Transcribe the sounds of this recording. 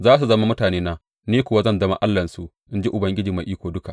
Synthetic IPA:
zaː˦s̬u˨zɐ˦ma˦mʊ˦taː˨neː˦na˦ | neː˦kʷʊ˨wa˦zɐ˦˨ndɐ˦ma̰˦ʔa˦lːɐ˨nsu˨ʔ | ʔɪ˦nd͡ʒi˦ʔʊ˨bɐ˦ŋɡʲɪ˦d͡ʒiː˨ma˨ʔiː˦kʷoː˨dʊ˦ka̰˨

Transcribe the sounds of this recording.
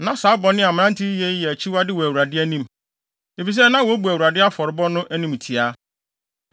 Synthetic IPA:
nã˨saː˨˦bɔ˨nɪ̃˦a˨m̃˨˦nã˦n˦tʰɪ˦jɛ˦jɛ˨æ˨t͡ɕʰi˦wa˦dɪ˦wɔ˨æ˨wu˨ɾa˨dɪ˦æ˦nĩ˦m | e˨fi˨s̬ɛ˦nã˦wɔ˨˦bu˨æ˨wu˨ɾa˨dɪ˦a˦fɔ˨ɾɪ˦bɔ˦nʊ̃˦ʔæ˦nĩ˦m˨tʰi˨a˦

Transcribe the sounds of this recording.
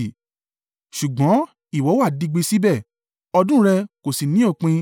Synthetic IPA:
ʃu˨ɡ͡bɔ̃˨˦ | i˦˨wɔ˨˦wa˦˨di˧ɡ͡be˧si˦bɛ˦˨ | ɔ˧dũ˦ɾɛ˧ko˨si˨nĩ˨˦o˦˨k͡pĩ˧

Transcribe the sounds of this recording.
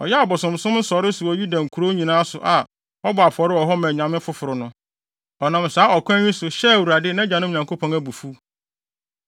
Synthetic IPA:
ɔ̰˨jɛ˦a˨bʊ˨sʊ̃˨msʊ̃˦mn̩˦sɔ˨ɾɪ˦sʊ˨ɔ˨ju˦dã˨ŋ̩˨kʰu˨ɾo˦ɲĩ˨nãː˦sʊ˨ʔa˨ | ɔ˦bʊ˨a˨pʰɔ˨˦ɾɪ˦ɔ˨ɦɔ˦mɛ̃˨ɲã˨mɪ̃˦fʊ˦fʊ˨ɾʊ˨nʊ̃˦ | ɔ˨nã˨msaː˨˦ɔ˨kʷʰã˦ɲĩ˦sʊ˨ɕɛ˦˨wu˨ɾa˨dɪ˦nã˦d͡ʑã˨nʊ̃˦˨ɲã˨kʰo˦pʰɔ̃˨næ˨bu˨fu˦

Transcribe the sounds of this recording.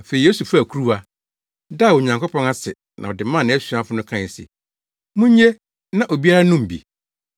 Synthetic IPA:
fe˨i˨je˦su˨fæ˨kʰu˦ɾu˦a˨ | da˦˨wo˨ɲã˨ŋkɔ˦pʰɔ̃˦na˦sɪ˨ | nʔã˨ɔ˨dɪ˨mã˦˨nɪ̃˦æ˦su˨a˦fʊ˦nʊ̃˦kʰã˦˨sḛ˨ | mũ˦ɲ˦ɲe˦ | nã˨ʔo˨bi˦a˦ɾa˦nũ˦m˨bḭ˨

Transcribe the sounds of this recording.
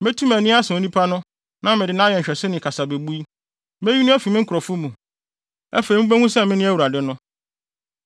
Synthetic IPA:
me˦tʰũ˦mæ˨nĩ˦a˦sɪ̃˨o˦nĩ˦pʰa˦nʊ̃˦ | nã˦mɪ̃˨dɪ˨nã˦jɛ˨ɲ̩˨ɕᶣɛ˨sɪ˦nɪ̃˨kʰa˨sa˨be˨bu˦i˦ | me˦ɥi˦nʊ̃˦æ˦fi˨mɪ̃˦ŋ̩˦kʰɾɔ˨fʊ˦mũ˨ | ɛ̰˦fe˨i˨mɪ̃˦bæ˦ŋũ˦sɛ˦˨mɪ̃˦nɪ̃˦æ˦wu˨ɾa˨dɪ˦nʊ̃˦

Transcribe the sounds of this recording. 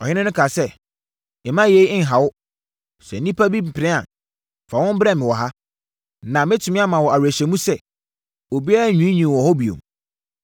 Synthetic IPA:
ɔ˨hɪ˦nɪ̃˦nʊ̃˦kʰa˨sɛ˦˨ | ɪ˨mã˦je˨˦i˦ɪ̃˦ŋ˨ɦa˨wʊ˦ | sɛ̰˨n̩˨nĩ˦pʰa˦bi˦m̩˨pʰɪ˨nɪ̃˦a̰˨ | fa˨wɔ̃˦m˦bɾɛ˦mɪ̃˨wɔ˨ɦa˦ | nã˨mɪ̃˦tʰʊ˨mɪ̃˦a˦mã˨wɔ˨a˨wæ˨ɕɛ˨mũ˦sɛ˦ | o˨bi˦a˦ɾa˦˨ɲũ˦ĩ˦ɲĩ˨wɔ˨hɔ˦bi˨õ̰˨m

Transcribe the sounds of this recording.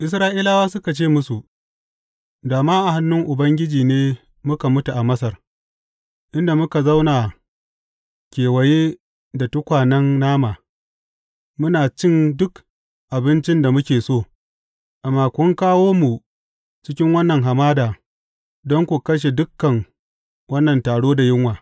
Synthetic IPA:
ʔɪ˨s̬ɾaː˦ʔiː˦la˦waː˦sʊ˦ka˨t͡ʃeː˦˨mʊ˦su˨ʔ | daː˨maː˦ʔa˨ha˦nːʊ˦ŋʔʊ˨bɐ˦ŋɡʲɪ˦d͡ʒiː˨neː˦ | mʊ˦ka˨mʊ˦tu˨ʔa˨mɐ˦sɐ˨r | ʔɪ˦nda˨mʊ˦ka˨za˦wnaː˨ | kʲeː˨wɐ˨jeː˦ | da˨tʊ˦kʷaː˨nɐ˦nːaː˦maː˨ | mʊ˦naː˨t͡ʃɪ˦ndʊ˦k | ʔa˨bɪ˦nt͡ʃɪ˦nda˨mʊ˦kʲeː˨soː˦˨ | ʔa˨mːaː˨kʷʊ˦ŋkaː˦woː˦mu˨ | t͡ʃɪ˦kʲɪ˦ŋwɐ˦nːɐ˨ŋɦa˨maː˦daː˨ | dɔ˦ŋkʷu˨kɐ˦ʃ̬e˨dʊ˦kːɐ˨ŋ | wɐ˦nːɐ˨ntaː˨ɽoː˦da˨jɪ˦ŋwaː˨

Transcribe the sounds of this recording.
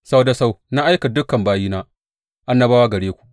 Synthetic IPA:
sa˦wda˨sa˦wna˦ʔa˦jka˨dʊ˦kːɐ˨mbaː˦jiː˦naː˦ | ʔa˦nːɐ˦baː˦wa˦ɡɐ˨ɽeː˦kʷu̥˨ʔ

